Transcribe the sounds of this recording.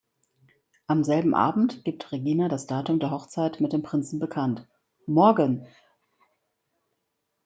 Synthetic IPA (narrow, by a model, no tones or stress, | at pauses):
ʔamzɛlbm̩ʔa̰ːbm̩tɡ̥ip̚tʁeɡiːnadasd̥aːtʊmdeːɐɦɔχt͡saɪtmɪt̚d̥eːmpʁ̥ɪnt͡sn̩bəkʰant | mɔɐɡən